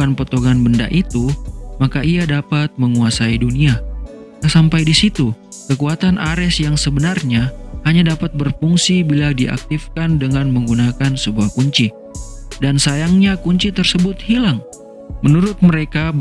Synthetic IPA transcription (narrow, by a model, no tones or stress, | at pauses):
anpot̪oɡanbənda̰ʔit̪umakaʔiadapat̪̚məŋuasaidunia | sampajdisit̪u | kəkuat̪anʔaɾɛsjaŋsəbənarɲahaɲadapat̪̚bərfuŋsibiladiʔa̰k̚t̪ifkandəŋanməŋɡunakansəbuahkuɲt͡ʃi | dansajaŋɲakuɲt͡ʃit̪ərsəbʊt̪̚hilaŋ | mənuɾʊt̪̚məɾeka